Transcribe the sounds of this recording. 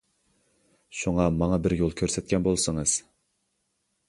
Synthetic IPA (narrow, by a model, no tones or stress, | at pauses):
ʃuŋɑmɑŋɑbɪɾjolˠkʲʰøɾsɛt̪̚kʲʰɛnbolˠsɨŋɨz̥